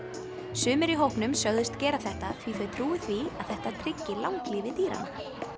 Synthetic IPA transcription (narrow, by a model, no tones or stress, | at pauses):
sʏːmɪɾiɦowhknʏmsjœɣðɪst̪cɛːɾaθɛht̪aθʰviθœɥt̪ʰɾuːɪθvia̰ðθɛht̪at̪ʰɾɪcːɪlawŋkliːvɪt̪iːɾa̰na̰